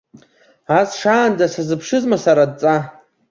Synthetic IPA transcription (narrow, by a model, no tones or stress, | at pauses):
asʂaːndasazɨpʰʂɨzmasaɾad̚t͡sʼa